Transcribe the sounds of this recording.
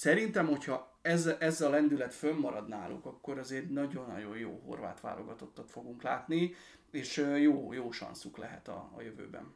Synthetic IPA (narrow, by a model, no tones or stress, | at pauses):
sɛɾint̪ɛmho̞chɒ | ɛzʔɛzɒlɛnd̪ylɛt̪fømːɒɾɒd̪naːlʔṵkɒkːo̞ɾɒzeːrnɒɟo̞nːɒ̰ɟo̞jjo̰ːɦo̞̰rva̰ːt̪ʋa̰ːlʔo̞ɡɒt̪o̞t̪ːɒt̪fo̞ɡuŋklaːt̪ni | eːʃjoːjoːʃɒ̰nsuklɛ̰ɦɛ̰t̪ɒ̰ːjøvø̰ːbɛ̰n